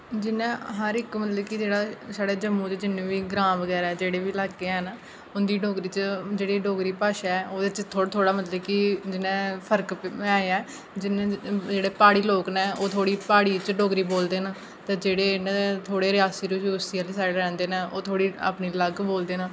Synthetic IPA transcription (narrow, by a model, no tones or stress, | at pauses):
d͡ʒɪnẽːɦəɾɪkmət̪ləbkɪd͡ʒeːɽaːsaːɽeːd͡ʒəmũːt͡ʃd͡ʒɪnːẽːʋiːɡɾãːʋəɡɛːɾaɛːd͡ʒeːɽeːʋiːlaːkːeːɦɛnː | ʊnd̪iːɖoːɡɾiːt͡ʃd͡ʒeːɽeːɖoːɡɾiːpaːʃaːɛːoːd̪et͡ʃt̪ʰoːt̪ʰoːɽaːmət̪ləbkɪd͡ʒɪnẽːpʰəɾkɛːɛː | d͡ʒɪnẽd͡ʒeːɽeːpaːɽiːloːknɛ̃ːoːt̪ʰoːɽiːpaːɽiːt͡ʃɖoːɡɾiːboːld̪eːna | t̪eːd͡ʒeːɽeːnːt̪ʰoːɽeːɾɪjaːsiːɾʊʃusialeːsaːɾɛ̃ːnd̪eːnːo̰ːt̪ʰoːɽiːa̰ːpniːləɡboːld̪eːnãː